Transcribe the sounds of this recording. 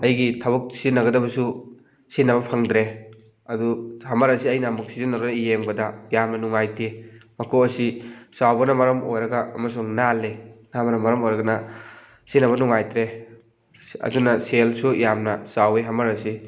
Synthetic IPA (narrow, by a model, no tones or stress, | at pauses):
ɐjɡitʰɐbɐk̚sinːɐɡɐdɐbɐsu | sinːɐβɐpʰaŋdɾe | ɐduhɐmɐɾɐsiɐjnɐmuk̚sizinaɾanɐijeŋbɐdɐjamnɐnuŋajtʰemɐkʰoɐsisawbɐnɐmɐɾɐmʔojɾɐɡɐɐ̰mɐs̬uŋnalenabɐnɐmɐɾɐmojɾɐɡɐnɐ | sinːɐβɐnuŋajtɾe | ɐ̰dunɐselsujamnɐsaweɦɐmɐɾɐsi